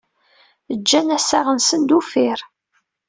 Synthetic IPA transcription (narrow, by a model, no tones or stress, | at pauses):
əd͡ʒːænæsaʁənsənd̪ufɪɾ